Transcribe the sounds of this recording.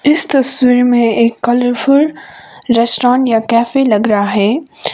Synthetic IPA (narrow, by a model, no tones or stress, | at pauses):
ɪst̪ɐswiːɾmẽeːkːɐləɾfʊɾɾɛːsʈɾãːɳʈjakɛːfelɐɡɾaɦaɦɛː